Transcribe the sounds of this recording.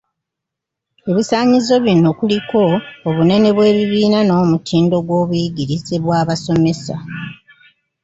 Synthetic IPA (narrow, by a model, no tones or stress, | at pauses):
e̞βisaːɲizo̞βino̞kuliko̞ːβune̞ne̞βwe̞ːβiβiːnano̞ːmutʰiːndo̞ɡwo̞ːβujiɡiɾizeβwaːβaso̞me̞sa̰